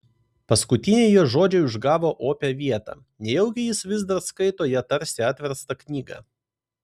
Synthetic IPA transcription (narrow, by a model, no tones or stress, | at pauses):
pɐskʊt̪ʲɪnʲeːjɛːʒoːd͡ʒʲɛɪʊʒɡɑːʋoːʔoːpʲɛʋʲiɛt̪ɑ̰ː | nʲɛjɛʊɡʲɪjɪsʋʲɪzd̪ɐɾskɐɪt̪oːjɛt̪ɐɾʲsʲɪɑt̪ʲʋʲɛɾst̪ɐknʲiːɡɑ̰ː